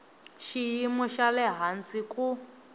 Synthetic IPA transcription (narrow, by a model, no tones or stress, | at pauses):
ʃijimɔʃalɛɦant͡sʼikʼu